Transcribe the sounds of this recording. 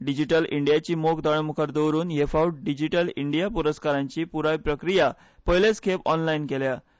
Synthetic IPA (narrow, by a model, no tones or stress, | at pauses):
ɖid͡ʑiʈəliɳɖijat͡ɕiːmokd̪ɔɭamukʰəɾd̪owɾuːnjefauʈ̚ɖid͡ʑiʈəliɳɖijapuɾəskaɾãɲt͡ɕiːpuɾajpɾəkɾija | pəɦileskʰepɔnlainkelja